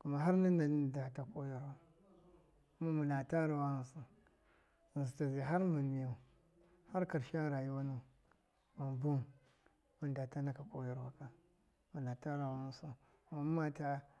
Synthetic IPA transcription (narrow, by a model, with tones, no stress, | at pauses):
ku˦ma˨ɦa˦ɾni˦na˨n˦da˨ta˨ko˦ja˨ɾwa˨ | ku˦ma˦mu˨na˨ta˦ɾa˨wa˦u˦˨˦su˨ | i˨ns̬i˨ta˨zi˨ɦa˦ɾmu˨nmi˨ju˨ | ha˦ɾka˨ɾʃa˦ɾa˨ji˦wa˦nu˦ | mu˨nbu˦m | mu˦nda˨ta˦na˦ka˨ko˦ja˨ɾwa˨ka˨ | mu˨na˨ta˦ɾa˨wa˦u˦su˦ | ku˦ma˦ma˦ta˦